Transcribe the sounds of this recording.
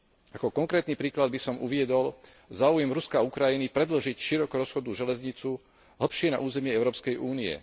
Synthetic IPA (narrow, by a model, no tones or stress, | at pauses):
akɔkɔŋkɾɛːt̪nipɾiːklad̪̚bisɔmṵʋɪɛd̪ɔl | zaːujɛmɾuskaukɾajinipɾɛd̪l̩ʒicʃiɾɔkɔɾɔsxɔd̪uʒɛlɛzɲit͡su | ɦl̩pʃɪɛna̰ʔuːzɛmɪɛɛʊɾɔːpskɛjʔuːniɛ̰